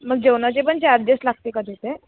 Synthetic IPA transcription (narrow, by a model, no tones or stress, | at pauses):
məɡ̚d͡ʑewnat͡ɕepəɳt͡ɕaɾd̪eslaɡ̚t̪ekad̪ʱet̪e